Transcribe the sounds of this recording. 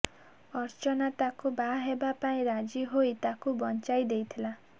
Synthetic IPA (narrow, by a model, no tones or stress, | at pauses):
ɔɾt͡ʃɔnat̪akubaɦebapaĩɾad͡ʒiɦojt̪akubɔnt͡ʃajd̪ejt̪ʰila